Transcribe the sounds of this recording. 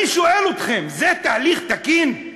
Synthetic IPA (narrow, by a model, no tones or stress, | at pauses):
ʃoelo̞t̪χe̞mzet̪aːliχt̪akin